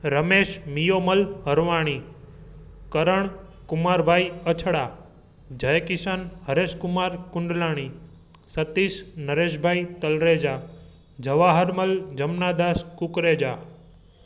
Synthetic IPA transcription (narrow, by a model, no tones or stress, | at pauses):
ɾəmeːʃmijoːməlɦəɾʋaːɽ̃i | kəɾəɳ̃ | kʊmaːɾbʱaːiət͡ʃʰɽaː | d͡ʒʱəjkɪsanɦəɾeːskʊmaːɾkʊɳɖlaːɽ̃i | sət̪isnəɾeːʃ̬bʱaːit̪əlɾeːd͡ʒaː | d͡ʒʱəʋaːɦəɾməld͡ʒəmnaːd̪aːskukɾeːd͡ʒaː